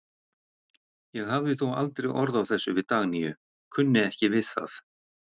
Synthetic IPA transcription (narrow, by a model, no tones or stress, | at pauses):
jɛɣhavðɪθowa̰lt̪ɾɛɣɔɾðawθɛsːʏvɪðt̪aːɣnijʏ | kʰʏnːɪɛhcɪvɪθa̰θ